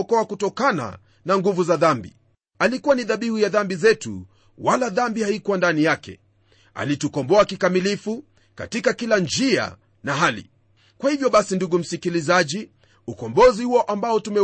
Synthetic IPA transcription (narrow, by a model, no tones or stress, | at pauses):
ɔkɔakutɔkana̰ | naŋɡuvuzaðambḭ | alikuwaniðaɓihujaðambizɛtṵ | walaðambihaikwandanijakɛ̰ | a̰litukɔmbɔakikamilifu | ka̰tikakiland͡ʒia̰ | naɦalḭ | kwahivjɔɓasinduɡum̩sikilizaʄi | ukɔmbɔzihuɔʔambaɔtumɛ